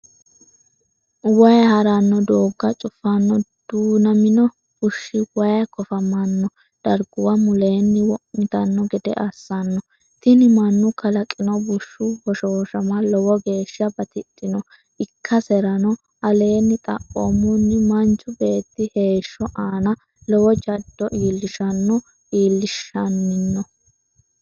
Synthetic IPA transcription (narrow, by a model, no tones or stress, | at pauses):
wɐjɐhɐɾɐnːɔd̪oːɡːɐt͡ʃʼʊfːɐnːɔd̪̥uːnɐmɪnɔ | bʊʃːɪwɐjɐkɔfɐmɐnːɔ | d̪̥ɐɾɡʊwɐmʊle̞ːnːɪwɔʔmɪt̪ɐnːɔɡɛd̪ɛ̰ʔɐsːɐnːɔ | t̪ɪnɪmɐnːʊkɐlɐkʼːɪnɔbʊʃːʊwɔʃoːʃɐmɐlɔwɔɡe̞ːʃːɐbɐt̪ɪt̪ʼːɪnɔ | ʔɪkʰːɐsɛɾɐnɔ | ʔɐle̞ːnːɪt̪ʼɐ̰ʔomʊnːɪmɐnt͡ʃːɔbe̞ːt̪ːɪhe̞ːʃːɔʔaːnɐ | lɔwɔd͡ʒɐd̪ːɔʔiːlːɪʃɐnːɔ | ʔiːlːɪʃɐnːɪnːɔ